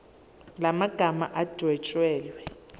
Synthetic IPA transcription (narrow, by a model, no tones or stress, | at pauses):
lamaɡ̥ʱama̰ʔad̥ʱwɛt͡ʃʼwɛːlwɛ